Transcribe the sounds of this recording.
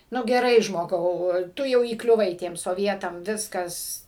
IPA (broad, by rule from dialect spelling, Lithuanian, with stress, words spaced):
ˈnʊ ɡʲɛˈrɐɪ ʒmoːˈɡɐʊ ˈtʊ jɛʊ iːklʲʊˈʋɐɪ ˈtʲiɛm soːˈʋʲiɛtɐm ˈʋʲɪskɐs